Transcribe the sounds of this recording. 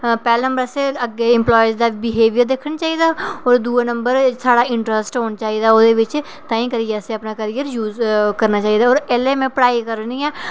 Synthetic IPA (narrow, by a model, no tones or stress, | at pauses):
pɛːlːnə̃mbəɾseəɡeɪ̃mplɔːjzd̪aːbɪɦeːʋijəɾd̪eːkʰənt͡ʃaːɦid̪aːɔːɾd̪uːenəmbəɾsaːɽaːɪɳʈɾəsʈɦoːnt͡ʃaːɦiːd̪aːoːd̪eːʋɪt͡ʃ | t̪ãːĩːkəɾijəseəpnaːkəɾijəɾjuːzkəɾnaːt͡ʃaːid̪aːɔːɾɛleːmẽpəɽaːikəɾnĩːɛː